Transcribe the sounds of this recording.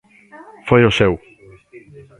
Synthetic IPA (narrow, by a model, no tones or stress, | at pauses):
fojosew